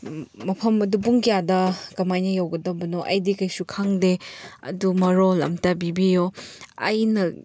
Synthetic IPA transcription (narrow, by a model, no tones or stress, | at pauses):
mɐpʰɐmɐdubuŋkijadɐkɐmajnɐjawɡɐdɐbɐnoʔɐjdikɐjsukʰaŋdeɐ̰dumɐɾolɐ̰mtɐbibijoɐ̰jnɐ